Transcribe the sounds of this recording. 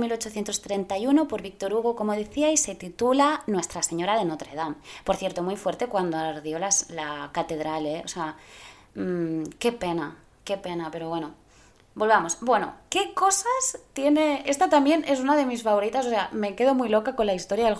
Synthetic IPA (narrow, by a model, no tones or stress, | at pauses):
milo̞t͡ʃoθje̞nt̪o̞st̪ɾe̞nt̪ajuno̞po̞ɾβik̚t̪o̞ɾuɣ̞oko̞mo̞ðeθiajsːe̞t̪it̪ulanwe̞st̪ɾase̞ɲo̞ɾaðe̞not̪ɾe̞ðampoɾθje̞ɾt̪o̞mujfwe̞ɾt̪e̞kwand̪oaɾðjo̞laslakat̪e̞ðɾaleosea | ke̞pe̞na | ke̞pe̞nape̞ɾo̞βwe̞no̞ | bo̞lβamo̞sbwe̞no̞̰ke̞ko̞sast̪je̞ne̞e̞st̪at̪ambje̞ne̞s̬unaðe̞misfaβo̞ɾit̪as̬o̞se̞ame̞ke̞ð̞o̞mujlo̞kako̞nlaist̪o̞ɾjaðel